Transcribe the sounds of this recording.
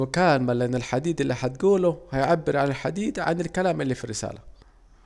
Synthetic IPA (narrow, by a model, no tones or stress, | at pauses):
kaːlmalʔanːɪlħad̪iːd̪ʔɪlːihat̪̚ɡuːlʊhajʕabːɪɾʕanɪlħad̪iːd̪ʕa̰nɪlkalaːmʔɪlːiːfirːɪsa̰ːla